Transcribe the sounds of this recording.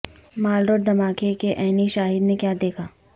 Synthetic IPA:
maːlɾoːɾd̪ɐmaːkekeʔɛːniʃaːɦɪd̪nekjaːd̪eːkʰaː

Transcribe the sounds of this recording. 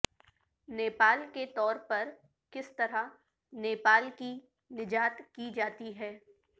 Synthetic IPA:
neːpaːlket̪ɔːɾpɐɾ | kɪst̪ɐɾa | neːpaːlki | nɪd͡ʒaːt̪kid͡ʒaːt̪iɦɛː

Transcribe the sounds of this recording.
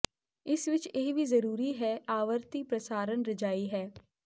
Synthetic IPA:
ɪsʋɪt͡ʃeɦʋizəɾuːɾiɦɛːʔaːʋəɾt̪iːpɾəsaːɾənɾəd͡ʒaːiɦɛː

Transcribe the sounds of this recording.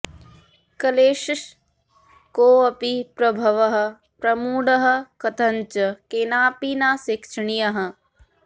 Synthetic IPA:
kɐleːʃiʃ | koːɐpipɾɐbʱɐʋɐɦɐ̆ | pɾɐmuːɽɐɦɐ̆kɐt̪ʰɐɲt͡ʃɐkeːnaːpinaːsekʃɳijɐɦɐ̆

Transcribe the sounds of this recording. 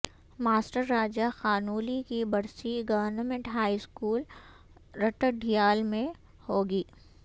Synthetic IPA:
maːsʈəɾːaːd͡ʒaxaːnuːlikibɐɽsiɡɐʋəɾnəmẽɳʈɦaːiskuːl | ɾɐʈəɖʱijaːlmẽ | hoːɡiː

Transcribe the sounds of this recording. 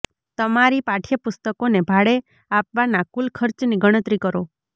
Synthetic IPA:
t̪ɔmaɾipaʈʰjəpust̪əkonebʱaɽe | apʋanakulkʰɔɾt͡ʃniɡɔɽ̃ət̪ɾikɔɾo

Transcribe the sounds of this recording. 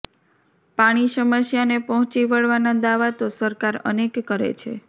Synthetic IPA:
paɽ̃iʃəməsjanepəɦʊ̃t͡ʃiʋəɭʋanad̪aʋat̪osəɾkaɾə̰nekːəɾḛt͡ʃʰḛ

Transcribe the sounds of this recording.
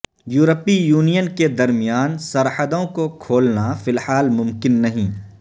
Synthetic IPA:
juːɾəpijuːnijənked̪ɐɾmijaːnsɐɾhəd̪õkokʰoːlnafɪlhaːlmʊ̃mkɪnːɐɦĩː

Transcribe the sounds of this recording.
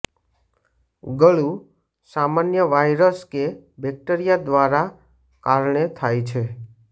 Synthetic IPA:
ɡəɭu | samanjəʋajɾəskebɛk̚ʈəɾijad̪ʋaɾa | kaɾɳet̪ʰajt͡ʃʰe

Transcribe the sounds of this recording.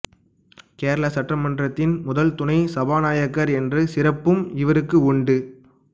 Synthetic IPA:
keːɾɐɭɐsɐʈːrɐmɐndrɐt̪ːɪnmʊðɐlt̪ʊnɐɪsɐbaːnaːjɐkːɐɾɛndrɯsɪrɐpːɯmɪʋɐɾɯkːɯʊɳɖɯ

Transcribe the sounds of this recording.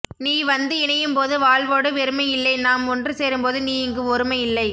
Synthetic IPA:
niːʋɐnd̪ɯɪɳɐjɯmpoːðɯʋaːɭʋoːɽɯʋɛɾɯmɐɪjɪlːɐɪnaːmɔndrɯseːɾɯmpoːðɯniːɪŋɡɯɔɾɯmɐɪɪlːɐɪ

